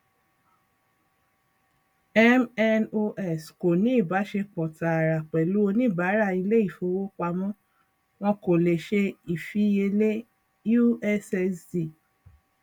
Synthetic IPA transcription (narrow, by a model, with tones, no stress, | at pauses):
ɛ˦mɛ˧no˧ʔɛ˦˨sko˨nĩ˨˦i˦˨ba˨˦ʃe˧k͡pɔ˨ta˨a˨ɾa˨k͡pɛ˨lu˨˦o˧nĩ˦˨ba˨˦ɾa˦˨i˧le˦i˦˨fo˧wo˦k͡pa˧mɔ̃˦ | w̃ɔ̃˧ko˨le˨ʃe˧i˨fi˦je˧le˦ | ju˦ɛ˦sɛ˧sdi˦˨